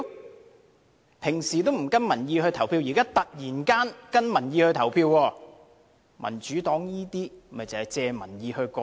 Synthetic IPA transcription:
pʰɪ˨˩ŋsiː˨˩t̪o˥wm̩˨˩kɐ˥nmɐ˨˩njiː˧hɵ˧ɥt̪ʰɐ˨˩wpʰiː˧wjiː˨˩kaː˥t̪ɐ˨k̚jiː˨˩nkaː˥nkɐ˥nmɐ˨˩njiː˧hɵ˧t̪ʰɐ˨˩wpʰiː˧wwɔː˧ | mɐ˨˩nt͡ʃyː˨˥t̪ɔː˨˥ŋjiː˥t̪iː˥˨˩mɐ˨˩jt͡sɐ˨˩hɐ˨jt͡sɛː˧mɐ˨˩njiː˧hɵ˧ɥkɔː˧

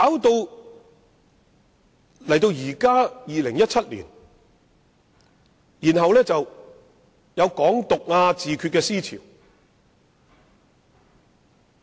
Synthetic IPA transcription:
kaː˨˥wt̪o˧w | lɐ˨˩jt̪o˧wjiː˨˩kaː˥jiː˨lɪ˨˩ŋjɐ˥t̚t͡sʰɐ˥t̚lḭː˨˩n | jiː˨˩nɦɐ˨wlɛː˥t͡sɐ˨w | jɐ˨˧wkɔː˨˥ŋt̪ʊ˨k̚ŋaː˧t͡siː˨kʰy˧kɛː˧siː˥t͡sʰḭ˨˩w

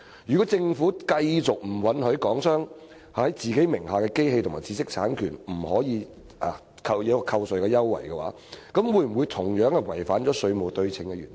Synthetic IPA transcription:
jyː˨kɔː˨˥t͡sɪ˧ŋfuː˨˥kɐ˧jt͡sʊ˨k̚m̩˨˩wɐ˨˥nhɵ˨˥ɥkɔː˨˥ŋsœː˥ŋ | hhɐ˨˦jt͡siː˨˩ke˨˥jmɪ˨˩ŋɦaː˨kɛː˧ke˥jɦe˧jt̪ʰʊ˨˩ma̰ː˨˩t͡siː˨˧sɪ˥k̚t͡sʰaː˨˥nkʰy̰ː˨˩nm̩˨˩hɔː˨˥jiː˨˧ | ʔa˨˩ | kʰɐ˧wjɐ˨˧wkːkʰɐ˧wsɵ˨ɥkɛː˧jɐ˥wːɐ̰˨˩jkɛ˧wa̰ː˨˧˥ | kɐ˨˥mwuː˨˧˥jm̩˨˩wu˨˧jt̪ʰʊ˨˩ŋjœː˨˥ŋɛ˧wɐ˨˩jfaː˨˥nt͡ʃɔː˨˥sɵ˨˧ɥmo˨wt̪ɵ˧ɥt͡sʰɪ˨˩ŋkɛ˧jyː˨˩n

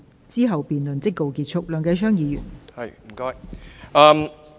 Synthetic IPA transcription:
t͡siː˥ɦɐ˨wpiː˨nlɵ˨nt͡sɪ˥kːo˨˧wkiː˧t̚t͡ʃʰʊ˥k̚lœː˨˩ŋkɐ˨˧sʰœː˥ŋjiː˨˧jy̰ː˨˩nhɐ˨jm̩˨˩kɔː˥jɐː˧m

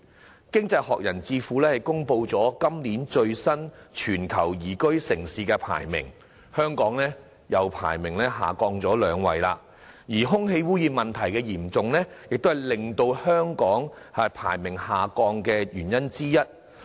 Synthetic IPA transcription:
kɪ˥ŋt͡sɐ˧jhɔː˨k̚jɐ˨˩nt͡siː˧fuː˨˦lɛː˥hɐ˨˩jkʊ˥ŋpo˧wt͡sɔː˨˥kɐ˥mliː˨˥nt͡ʃɵ˧ɥsɐ˥nt͡ʃʰyː˨˩nkʰɐ˨˩wjiː˨˩kɵ˥ɥsɪ˨˩ŋsiː˨˧kɛ˧pʰa̰ː˨˩jmɪ̰˨˩ŋ | hœː˥ŋkɔː˨˥ŋlɛː˥ | jɐ˨˧wpʰa̰ː˨˩jmɪ˨˩ŋlɛː˥ɦa̰ː˨kɔː˧ŋt͡sɔː˨˥lœː˨˧ŋwɐ̰˨jla̰ː˧ | jiː˨˩ɦʊ˥ŋɦe˧jwuː˥jiː˧mɐ˨nt̪ʰɐ˨˩jkɛː˧jiː˨˩mt͡sʊ˨ŋlɛː˥jɪ˨k̚t̪o˥hɐ˨jlɪ˨ŋt̪o˧whœː˥ŋkɔː˨˥ŋ | ɐ˧pʰa̰ː˨˩jmɪ˨˩ŋhaː˨kɔː˧ŋkɛː˧jyː˨˩njɐ˥nt͡siː˥jɐ˥t̚

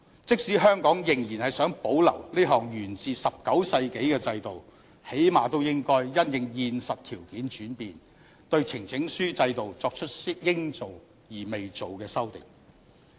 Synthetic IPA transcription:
t͡sɪ˥k̚siː˨˥ɦœː˥ŋkɔː˨˥ŋjɪ˨˩ŋjiː˨˩nhɐ˨jsœː˨˥ŋpo˨˥wlɐ̰˨˩wliː˥ɦɔː˨˩ŋjyː˨˩nt͡siː˨sɐ˨p̚kɐ˨˥wsɐ˧jke˨˥jkɛː˧t͡sɐ˧jt̪o˨w | he˨˥jmaː˨t̪o˥wjɪ˥ŋkɔː˥jːɐ˥njɪ˨ŋjiː˨nsɐ˨t̚t̪ʰiː˨˩wkiː˨˥nt͡ʃyː˨˥npiː˨n | t̪ɵ˧ɥt͡sʰɪ˨˩ŋt͡sɪ˨˥ŋsyː˥t͡sɐ˧jt̪o˨wt͡sɔː˧k̚t͡ʃʰɵ˥t̚si˥jɪ˥ŋt͡so˨w | jiː˨˩me˨jt͡so˨wkɛː˧sɐ˥wt̪ɪ̰˨ŋ

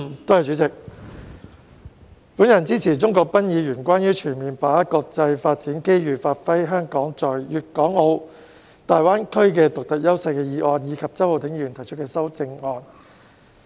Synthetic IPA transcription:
t̪o˥hɐ˨jt͡ʃy˨˥t͡sɪ˨k̚ | puː˨˥njɐ˨˩nt͡siː˥t͡sʰiː˨˩t͡sʊ˥ŋkɔː˧k̚pɐ˥njiː˨˧jyː˨˩nkʷaː˥njyː˥t͡ʃʰyː˨˩nmiː˨˩npaː˨˥ɐ˥t̚kɔː˧k̚t͡sɐ˧jfaː˧t̚t͡siː˨˥nke˥jɥyː˨˩faː˧t̚fɐ˥jɦœː˥ŋkɔː˨˥ŋt͡sɔː˨˩jjyː˨t̚kɔː˨˥ŋːo˨˧w | t̪aː˨jwaː˥nkʰɵ˥ɥkɛː˧t̪ʊ˨k̚t̪ɐ˨k̚jɐ˥wsɐ˧jkɛː˧jiː˨˧ʔɔː˧njiː˨˧˥kʰɐ˨p̚t͡sɐ˥who˨˩t̪ɪ˨˥ŋjyː˨˩nt̪ʰɐ˨˩jt͡ʃʰt̚kɛː˧sɐ˥wt͡sɪ˧ŋŋɔː˧n

